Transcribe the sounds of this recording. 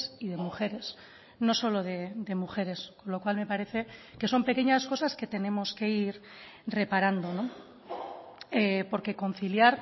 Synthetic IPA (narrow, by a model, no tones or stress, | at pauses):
sið̞e̞muxe̞ɾe̞s | no̞so̞lo̞ð̞e̞d̪e̞muxe̞ɾe̞sko̞nlo̞kwalme̞paɾe̞θe̞ke̞so̞mpe̞ke̞ɲasko̞saske̞t̪e̞ne̞mo̞ske̞iɾre̞paɾand̪o̞no̞ | epo̞ɾke̞ko̞n̟θiljaɾ